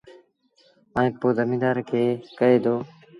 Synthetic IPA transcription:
əːĩːpoːd̪əmĩːd̪aːɾkʰeːkəeːd̪oː

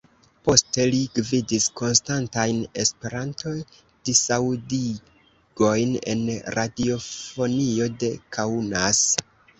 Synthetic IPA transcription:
po̞ste̞liɡvidisko̞nstantajne̞spe̞ɾanto̞j | d̥isawdi | ɡ̥o̞jne̞̰nɾadio̞fo̞nio̞de̞kʰaunas

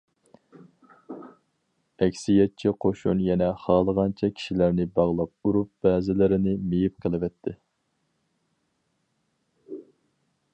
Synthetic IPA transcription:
ɛkʲsijɛt̚t͡ʃʰɛqʰoʃunjɛnɛχɑːlˠəʁɑnt͡ʃʰɛkʲʰi̥ʃilæɾnɪbɑʁlˠɑp̚uɾup̚b̥ɛːzɪlɪɾɪnɪmejip̚qʰəlˠɨvɛt̪ʰːɪ

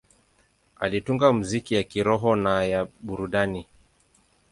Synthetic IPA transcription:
a̰lituŋɡam̩zikijakiɾɔɦɔnajaɓuɾuɗani

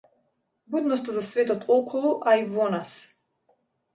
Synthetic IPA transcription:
bud̪nɔst̪azasvɛt̪ɔt̪ʰɔkʰɔlˠuʔaivɔnas

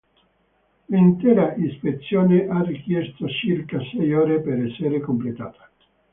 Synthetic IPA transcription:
lint̪ɛːɾaʔispet̪sːjɔːneʔarik̟jɛst̪ot͡ʃirkasɛjɔːɾepeɾɛsːeɾekomplet̪a̰ːt̪ḁ

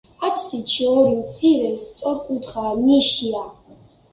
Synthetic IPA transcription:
apʰsit͡ʃʰiɔɾit͡sʰiɾɛst͡sʼɔrkʷʼud̪χaːniʃijaː

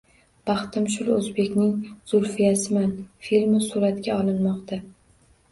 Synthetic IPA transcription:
b̥ɑχt̪ɪmʃʊlɵzbe̞kʲnɪŋz̥ʊɾfɪjasɪmanfilmɪsuɾat̪ɡʲaɒlˠɪnmɒqt̪ʰa

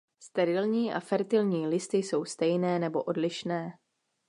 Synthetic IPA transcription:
st̪ɛɾɪlɲiːʔa̰fɛɾt̪ɪlɲiːlɪst̪ɪjso̞wst̪ɛjnɛːnɛbo̞ʔo̞dlɪʃnɛː

